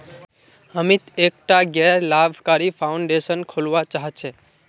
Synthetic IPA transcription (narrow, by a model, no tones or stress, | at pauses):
əmit̪ekʈaɡɛlabʱkaɾipʰaʊɳɖesənkʰolʋat͡ʃaɦɛt͡ʃʰe